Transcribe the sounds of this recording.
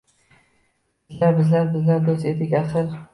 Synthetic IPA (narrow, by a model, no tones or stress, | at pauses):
bzlæɾbɪzlæɾbɪzlæɾd̪ost̪ed̪ɪkʲæsəɾ